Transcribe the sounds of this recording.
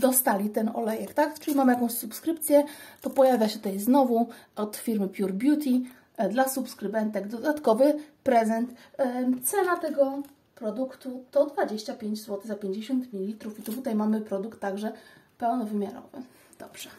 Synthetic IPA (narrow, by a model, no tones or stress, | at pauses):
d̪ɔst̪alʲit̪ɛnɔ̰lɛjɛkt̪akt͡ʂɘlʲimamɘjakɔ̃w̃ɕsupskɾɘpt̪sʲjɛt̪ɔpɔjavʲjaɕɛt̪ut̪ajznɔvuʔɔt̪fʲiɾmɘpʲjuɾbʲjut̪ʲi | d̪lasupskɾɘbɛnt̪ɛɡd̪ɔd̪at̪kɔvɘpɾɛzɛnt̪t̪sɛlat̪ɛɡɔ | pɾɔd̪ukt̪ut̪ɔd̪vad͡ʑeɕt͡ɕapʲjeɲd͡ʑzwɔt̪ɘɣzapʲjeɲd͡ʑeɕɔnt̪mʲilʲilʲit̪ɾufit̪ut̪ut̪ajmamɘpɾɔd̪ukt̪ːaɡʐɛpɛwnɔvɘmʲjaɾɔ̰vɘ̰ | d̪̥ɔb̥ʐ̥ɛ